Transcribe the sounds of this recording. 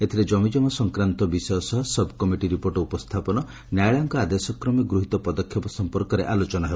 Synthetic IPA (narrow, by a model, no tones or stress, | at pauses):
et̪ʰiɾed͡ʒɔmid͡ʒɔmɔsɔŋkɾant̪ɔbisɔjɔsɔɦɔsbʱkɔmiʈiɾipoɾʈɔupɔst̪ʰapɔnɔ | njajɭɔŋkɔad̪esɔkɾɔmiɡɾuɦit̪ɔpɔd̪ɔkʰjɔpɔsɔmpɔɾkɔɾeʔalot͡ʃɔnɔɦeb